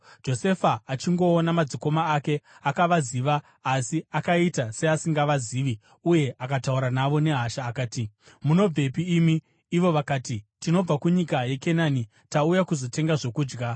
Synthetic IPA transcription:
d͡ʒo̞se̞faːt͡ʃiŋɡo̞ːnamad͡ziko̞maːke̞akaʋaziʋaː | siakaitase̞asiŋɡaʋaziːʋi | uje̞ʔakatauɾanaʋo̞ne̞ɦaʃaːkaːti | muno̞b͡ve̞piːmiː | ʋo̞ʋakaːtitino̞b͡vakuɲikaje̞ke̞nani | taujakuzo̞te̞ŋɡaʐo̞kuːd͡ʒɡa

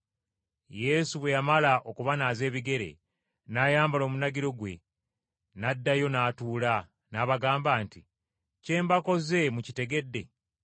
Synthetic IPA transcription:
je̞ːsuβwe̞jamalaʔo̞kuβanaːze̞ːβiɡe̞ɾe̞̰ | naːjaːmbalo̞ːmunaɡiɾo̞ɡwe̞̰ | nadːajo̞naːtuːla | naːβaɡaːmbaːnti | ce̞ːmbako̞ze̞mucite̞ɡe̞dːe̞̰

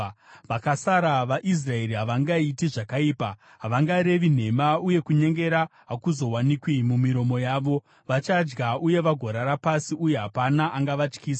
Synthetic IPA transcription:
ʋakasaɾaʋaʔis̬rae̞ɾiɦaʋaŋɡaitiʐakaiːpa | ɦaʋaŋɡaɾe̞ʋin̤e̞mauje̞kuɲe̞ŋɡe̞ɾaɦakuzo̞wanikwimumiɾo̞mo̞jaːʋo̞ | ʋat͡ʃad͡ʒɡauje̞ʋaɡʱoɾaɾapasiʔuje̞ɦapanaʔaŋɡaʋat͡ʃkiːsḁ

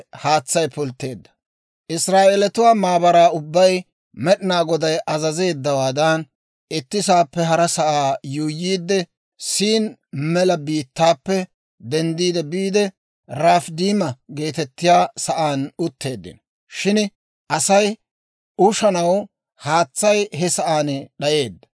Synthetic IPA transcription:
haːt͡sːɐjpʊlt̪ːe̞ːd̪ːɐ̥ | ʔɪsɾaːʔeːlɛt̪ʊwaːmaːbɐɾaːʊbːɐj | mɛɗɪnaːɡɔd̪ɐjʔɐzɐze̞ːd̪ːɐwaːd̪ɐn | ɪt̪ːɪs̬aːpːɛɦɐɾɐsɐʔaːjuːjːiːd̪ːɛ | siːnmɛlɐbiːt̪ːaːpːɛ | d̪ɛnd̪iːd̪ɛbiːd̪ɛ | ɾaːfd̪iːmɐɡe̞ːt̪ɛt̪ːɪjaːsɐʔaːnʊt̪ːe̞ːd̪ːɪ̰n | ʃɪn | ʔɐsɐj | ʊʃɐnɐw | haːt͡sːɐjɦɛsɐʔaːnɗɐje̞ːd̪ːɐ̥

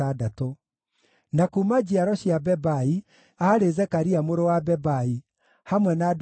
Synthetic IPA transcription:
adato | nakumad͡ʑiaɾɔɕiabɛbai | aɾezɛkaɾiamoɾowabɛbai | hamwɛnad

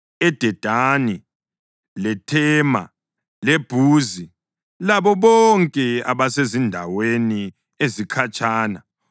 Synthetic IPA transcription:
ɛd̥ʱɛd̥ʱaːni | lɛtʰɛːma̰ | leb̥ʱuːzi | laβɔβɔŋkʼɛaβasezindʱaweni | ezikʰat͡ʃʼaːna

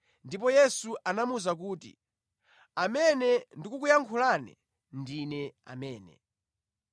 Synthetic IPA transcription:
ndip̬ɔjɛsuʔanamuzak̬uːtḭ | amɛnɛndikukujaŋkʰulanɛ̰ | ndinɛa̰mɛːnɛ̰

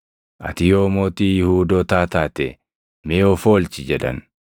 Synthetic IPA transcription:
ʔɐ̰t̪ɪjoːmoːt̪iːjɪhuːd̪oːt̪aːt̪aːt̪ɛ | mɛoːfoːlt͡ʃɪd͡ʒɛᶑɐ̰n

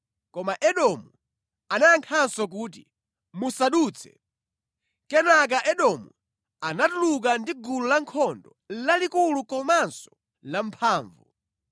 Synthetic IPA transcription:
kɔmaʔɛɗɔmu | anajaŋkʰansɔk̬uːt̬i | musaɗuːt͡sʰɛ̰ | kɛnak̬aʔɛɗɔmu | anatuluk̬andiɡulɔlaŋkʰɔndɔ | lalikulukɔmansɔ̥ | lampʰaːɱvu

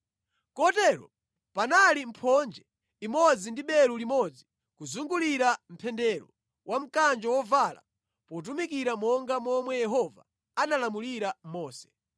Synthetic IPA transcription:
kɔtɛːɾɔ̰ | panalim̩pʰɔnd͡ʒɛ | imɔd͡zindiɓɛɾulimɔd͡zi | kuzuŋɡuliɾam̩pʰɛndɛɾɔ | wʔam̩kand͡ʒɔwɔvala̰ | pɔt̬umik̬iɾamɔŋɡamɔmwɛjɛɦɔva | analamuliɾamɔːsɛ̥

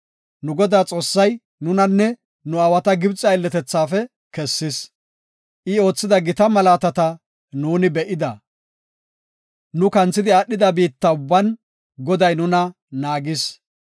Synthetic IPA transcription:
nʊɡɔd̪aːt͡sʼo̞ːsːɐj | nʊnɐnːɛ | nʊɐwɐt̪ɐɡɪbt͡sʼɐɪlːɛt̪ɛt͡sːaːfɛ | kɛsːɪs | ʔɪo̞ːt͡sːɪd̪ɐɡɪt̪ɐmɐlaːt̪ɐt̪ɐ | nuːnɪbɛʔɪd̪ɐ | nʊkɐnt͡sːɪd̪ɪaɗːɪd̪ɐbiːt̪ːɐʊbːɐn | ɡɔd̪ɐjnʊnɐ | naːɡɪs

